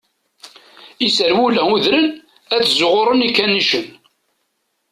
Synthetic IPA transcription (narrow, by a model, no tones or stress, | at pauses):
isəɾwulæuðɾən | æt͡sːzʊʁʊɾˤənikːænːiʃən